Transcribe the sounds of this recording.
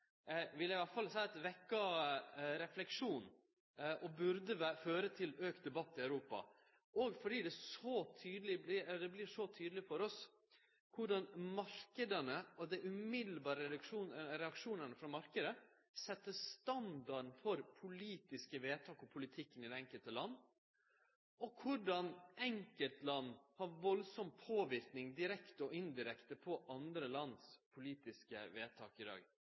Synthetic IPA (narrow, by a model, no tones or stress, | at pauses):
ʋɪlːæɪʋɑʈfɑlsæɪɑt̪ʋɛkːɑ | ɾɛflɛkʂuːn | ʔɔbʉɾd̪əʋæføːɾət̪ʰɪløːkt̪̚d̪ɛbɑt̪ːɪœʉɾuːpɑ̰ | ɔɡfɔɖiːd̪ɛsɔt̪ʰyːd̪əlɪblɪd̪ɛblɪʂɔt̪ʰyːd̪əlɪfɔɾɔs | kʰʊɖɑnmɑɾkəd̪ənəɔd̪ɛʔʉmɪd̪l̩bɑːɾəɾɛʉkʂuːnɾɛɑkʂuːnənəfɾɑmɑɾkəd̪ə | sɛt̪ːəst̪ɑnd̪ɑɖn̩fɔɾpʰʊliːt̪ɪskəʋeːt̪ʰɑːkɔpʰʊlɪt̪ʰɪkːənɪd̪ɛɛŋkəlt̪əlɑnː | ɔkʰʊɖɑnʔɛŋkəlt̪lɑnːhɑɾʋɔlsɔmpʰoːʋɪɾknɪŋd̪ɪɾɛkt̪əɔʔɪnd̪ɪɾɛkt̪əpʰɔʔɑnd̪ɾəlɑnspʰʊliːt̪ɪskəʋeːt̪ʰɑ̰ːkɪd̪ɑ̰ːɡ